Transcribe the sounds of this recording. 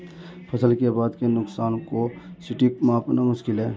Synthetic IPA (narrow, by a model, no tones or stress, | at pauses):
pʰəsəlkebaːd̪kenʊksaːnkosɪʈikmãpnamʊʃkɪlɦɛː